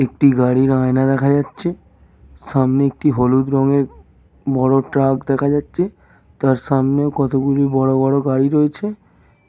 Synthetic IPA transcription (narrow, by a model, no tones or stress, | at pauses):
ekʈiɡaɽiɾãenad̪ɛkʰad͡ʒatːʃʰe | samneek̚ʈiɦolud̪ɾɔ̃ŋɡeɾ | bɔɽoʈɾakd̪ɛkʰad͡ʒatːt͡ʃʰe | t̪aɾsamnekɔt̪okulibɔɽobɔɽoɡaɽiɾɔet͡ʃʰe